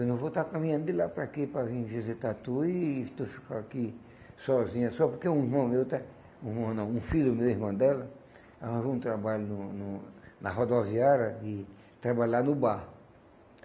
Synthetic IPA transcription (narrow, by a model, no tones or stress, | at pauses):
ewnõw̃vot̪akamĩɲɐ̃nd̪ʊd̪ɪlapɾakipɾavĩvizit̪at̪uiːt̪ofi̥kaaki | sɔzĩɲɐsɔpoɾkeũiɾmɐ̃mewt̪ɛ̃ | ũihmɐ̃w̃nɐ̃w̃ũfilʊmewihmɐ̃d̪ɛlɐ | aãvĩũt̪ɾabaʎʊnʊnʊnɐɦod̪oviaɾɐd̪ɪ | t̪ɾabaʎanʊba